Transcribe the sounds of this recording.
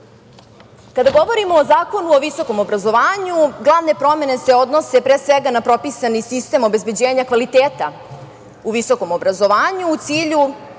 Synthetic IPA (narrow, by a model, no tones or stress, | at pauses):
kad̪aɡo̞ʋo̞ɾimoːzaːko̞nuoʋiso̞ko̞mo̞bɾazo̞ʋaːɲuɡlˠaʋne̞pɾo̞me̞ne̞se̞od̪no̞sepɾeːsʋeɡanapɾo̞pisanisist̪e̞mobe̞zbed͡ʑeːɲakʋalit̪eːt̪a | uʋiso̞ko̞mo̞bɾazo̞ʋaːɲuːt̪siːʎu